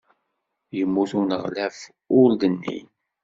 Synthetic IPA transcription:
jəmːuθunəʁlæf | ʊld̪ənːḭn

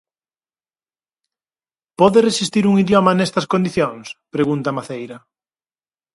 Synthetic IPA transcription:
pɔðeresist̪iɾuŋiðjɔmɐnɛst̪ɐskond̪iθjoŋspɾeɣunt̪ɐmaθejɾɐ

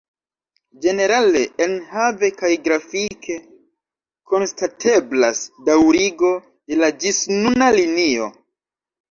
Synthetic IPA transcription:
d͡ʒe̞ne̞ɾale̞ʔːnhave̞kajɡɾafikʰe̞ | ko̞nstatʰe̞blasdawɾiɡo̞ | de̞lad͡ʒisnunalinio̞̰

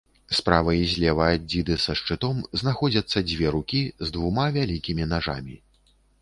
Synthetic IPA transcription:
spɾavɐjizʲlʲɛvɐːd͡zʲid̪ɨsɐʂt͡ʂɨt̪ɔmznaxɔd͡zʲɐt̪sːɐd͡zʲvʲɛɾukʲizd̪vumavʲalʲikʲimʲinaʐa̰mʲi

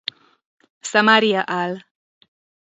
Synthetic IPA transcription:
sɐmaɾiaʔal

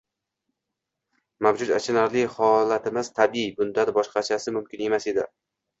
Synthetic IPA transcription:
mawd͡ʒʊt̪a̰t͡ʃʰɪnaɾlɪhɒlat̪ɪmɪzt̪ʰabibʊnd̪anɪbɒʃqɑt͡ʃʰasɪmʊmkʲʰɪne̞mase̞d̪ɪ̰

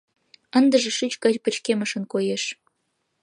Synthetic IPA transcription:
ənd̪əʒĕʃyt͡ɕkɑt͡ɕpət͡ɕkeməʃə̆nkojeʃ

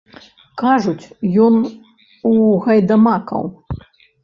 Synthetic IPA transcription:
kaʐut͡sʲjɔn | uɣɐjd̪ɐmakɐ̰w

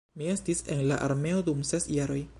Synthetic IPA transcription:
miest̪isɛnlaʔa̰rmeod̪umsɛsjaɾoj

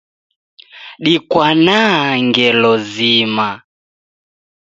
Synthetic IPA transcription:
ɗikwanaŋɡɛlɔzima

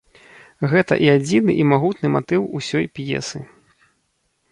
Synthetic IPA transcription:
ɣɛt̪ɐ̰ʔiad͡zʲinɨʔimaɣut̪nɨmat̪ɨwusʲɔjpjɛ̰sɨ

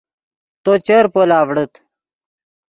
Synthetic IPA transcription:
t̪ot͡ɕəɾpoːlaːʋɽət̪

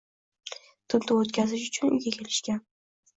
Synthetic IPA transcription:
t̪ʰʊnt̪ʰoot̪kʲʰazɪʃ̬ʊ̥t͡ʃʰʊnʊ̰jɡʲakʲʰe̞lɪʃkʲan

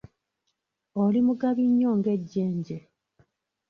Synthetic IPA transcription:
olimuɡaβiɲːo̞ːŋɡe̞ɟːe̞ːɲɟe

